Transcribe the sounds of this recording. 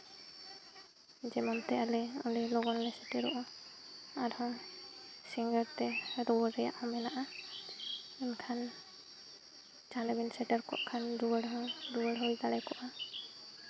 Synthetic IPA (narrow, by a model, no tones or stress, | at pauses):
d͡ʒɛmɔnt̪ɛalɛɔ̰lɛlɔɡɔnlɛsɛʈɛɾɔʔɔ | aɾhɔ | siŋɡəɾt̪ɛɾɔwəɾɛja̰ʔhɔ̃mɛnaʔa | inkʰan | d͡ʒalɛbinsɛʈəɾkɔ̰ʔkʰanɾuwəɽɦɔ̃ŋɾuwəɽɦojd̪alɛkɔʔa